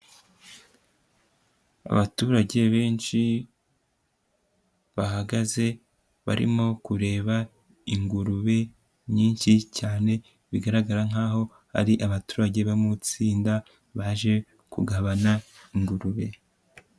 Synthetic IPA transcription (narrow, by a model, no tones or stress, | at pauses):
a̰βatuːɾaɟe̞βe̞ːnʃi | βaɦaɡaze̞ | βa̰ɾḭmo̞kuɾe̞ːβa | iŋɡuɾuβe̞ | mɲiːnʃicaːne̞ | βiɡaɾaɡaɾaŋ̥aːɦo̞ | ha̰ɾiʔaβatu̥ːɾaɟe̞βaimut͡siːnda | βaʒe̞ | kṵɡaβanaiŋɡuɾuβe̞̰